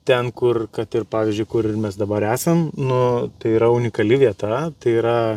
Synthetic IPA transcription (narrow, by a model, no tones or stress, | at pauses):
t̪ʲɛnkʊrkɐt̪ɪrpɑːʋʲiːzʲd͡ʒʲʊɪkʊɾɪrmʲɛs̬d̪ɐbɐɾæːsʲɐmnʊt̪ɐɪiːɾɐʊnʲɪkɐlʲɪʋʲiɛt̪ɐt̪ɐɪiːɾɐ